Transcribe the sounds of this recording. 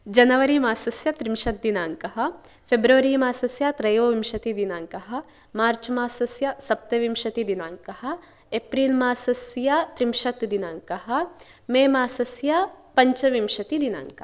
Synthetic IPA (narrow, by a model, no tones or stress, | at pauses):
d͡ʒɐnɐʋɐɾimaːsɐsjɐt̪ɾimʃɐt̪̚d̪inaːŋkɐɦɐ̆ | pʰebɾɐʋɐɾimaːsɐsjɐt̪ɾɐjʋoʋimʃɐt̪id̪inaːŋkɐɦɐ̆ | maːɾt͡ʃmaːsɐsjɐsɐp̚t̪ɐʋimʃɐt̪id̪inaːŋkɐɦɐ̆ | epɾiːlmaːsɐsjɐt̪ɾimʃɐt̪d̪inaːŋkɐɦɐ̆ | meːmaːsɐsjɐpɐɲt͡ʃɐʋimʃɐt̪id̪ina̰ːŋkɐ